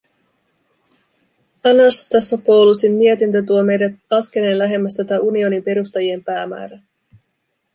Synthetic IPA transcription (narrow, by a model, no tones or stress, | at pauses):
ɑnɑst̪ɑsɑpo̞wlusimːiet̪int̪ət̪uome̞jdæt̪ɑsk̟e̞le̞ːnlæɦe̞mːæst̪æt̪æʔunio̞nimpe̞ɾust̪ɑjie̞mpæːmæ̰ːɾæ